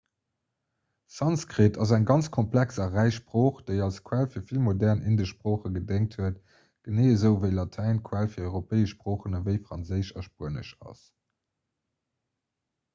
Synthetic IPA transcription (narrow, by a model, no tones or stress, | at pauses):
sɑnskʁitʰɑzæŋɡɑnt͡skʰɔmplæksɐʁæɪʃpʁoːχd̥eɪɑlskʰwælfiːɐfilmodæʁnʔindəʃpʁoːχəɡədeŋk̚tʰhuət | ɡ̥əneːəzəʊvəɪlɑtʰæɪnkʰwælfiːɐɔʏʁopeːəʃːpʁoːχənəvəɪfʁɑnzəɪʃɐʃpuənə̰ʃɑ̰s